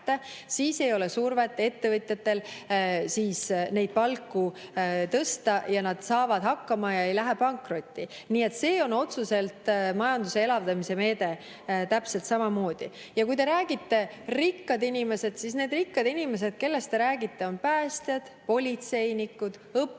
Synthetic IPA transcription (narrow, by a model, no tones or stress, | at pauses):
t̪ːe | siːse̞jo̞lesuːrvet̪ːˑe̞t̪ːe̞vɤt̪ʲjɑt̪ːe̞lsiːsne̞jd̪̥̚pɑlkːut̪ɤst̪ɑjɑnɑd̪̥sɑːvɑd̪̥hɑkːɑmɑjɑe̞jlæɦepɑŋkro̞t̪ʲːi | niːe̞t̪ːse̞ːo̞no̞t̪suse̞lt̪mɑjɑnd̪use̞e̞lɑvd̪ɑmise̞me̞ːd̪e̞ | t̪æpse̞lt̪sɑmɑmo̞ːd̪̥i | jɑkujt̪e̞ɾæːɡ̥it̪ːe̞ | rikːɑd̪inime̞se̞d̪̥sisneːd̪rikːɑd̪inʲime̞s̬e̞d̪̥ke̞lːe̞st̪e̞ɾæːɡit̪ːe̞o̞npæːst̪jɑd̪̥po̞lʲit̪se̞jnikːud̪̥ɤpː